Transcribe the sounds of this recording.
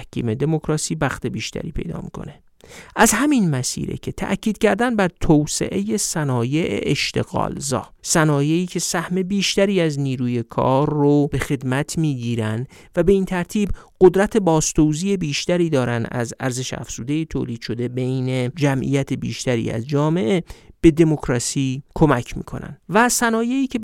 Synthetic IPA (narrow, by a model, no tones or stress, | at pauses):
hkʰḭːme̞d̪e̞mo̞kʰɾɒːsiːbæxt̪ʰe̞biːʃt̪ʰæ̰ɾḭːpʰe̞jd̪ɒ̰ːmḭːkʰo̞̰ne̞ | ʔæzhæminmæsḭːɾḛcʰe̞t̪ʰæ̰ʔcʰiːd̪̥̚cʰæɾd̪ænbæɾt̪ʰowsḛʔeje̞sænɒːje̞ʔḛʔeʃt̪e̞̰ɣɒ̰ːlzɒ̰ːsænɒːje̞iːcʰe̞sæhme̞biːʃt̪æɾiːæzniːɾuːje̞kʰɒ̰ːɾːob̥e̞xe̞d̪mæt̪ʰmiːɟiːɾænd̪ | væbe̞iːnt̪ʰæɾt̪ʰiːbɢod̪ɾæt̪ʰe̞bɒːst̪owziːje̞biːʃt̪æɾiːd̪ɒːɾænd̪æ̰zæ̰ɾze̞ʃæ̰fz̥uːd̪e̞jit̪ʰoːliːd̪̥ʃo̞d̪e̞be̞jne̞d͡ʒæmʔḭjæt̪ʰebḭːʃt̪æɾḭːæ̰zd͡ʒɒːme̞ʔeb̥e̞d̪e̞mo̞kɾɒsiːkʰo̞mæcʰmḭːkʰo̞̰næ̰nd̪væsænɒːje̞iːcʰe